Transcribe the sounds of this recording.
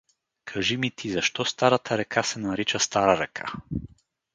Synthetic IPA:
kʰaʒimit̪ʰizaʃt̪ɔst̪aɾat̪ʰaɾɛkʰasɛnaɾit͡ʃast̪aɾaɾɛkʰa̰

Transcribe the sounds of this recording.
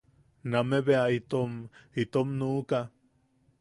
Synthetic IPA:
nameβeait̪omit̪omnuʔka

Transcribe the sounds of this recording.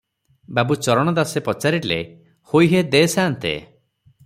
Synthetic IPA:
babut͡ʃɔɾɔɽ̃ɔd̪asepɔt͡ʃaɾilḛ | hojɦed̪eːsaːnt̪ḛ

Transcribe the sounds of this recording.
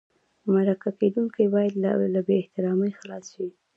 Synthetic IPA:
maɾakaked̪uŋkajbɑjad̪alabeːht̪ɪɾɑməjxlɑsʃi

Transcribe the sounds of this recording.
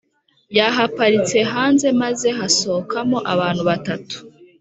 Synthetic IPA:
jaɦapaɾit͡se̞ɦaːnze̞maze̞ɦaso̞kamo̞ʔaβaːn̥huβatatu̥

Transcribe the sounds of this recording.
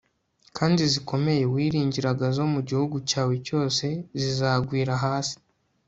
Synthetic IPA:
kʰaːndiziko̞me̞je̞wiːɾiːɲɟiɾaɡazo̞muɟihuɡucaːweco̞ːse̞zizaːɡwiːɾaɦaːsi̥

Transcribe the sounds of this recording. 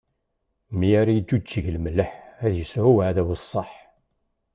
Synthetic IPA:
mijaɾijəd̪ːut͡ʃːəʝlmləħæðjəsʕuwʕðæwsˤːɑħ

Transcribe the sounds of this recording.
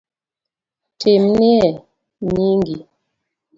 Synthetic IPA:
tʰemniɛ | ɲiŋɡi

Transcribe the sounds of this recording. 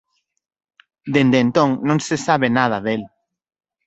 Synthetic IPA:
d̪end̪ent̪õŋnõŋsesaβenað̞aðel

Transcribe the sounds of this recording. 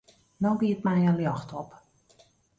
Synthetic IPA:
nɔŋɡiət̚mɛjəljɑxtɔp

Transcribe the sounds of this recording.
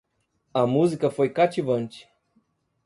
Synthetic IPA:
amuzikəfojkat͡ʃivənʲt͡ʃi̥

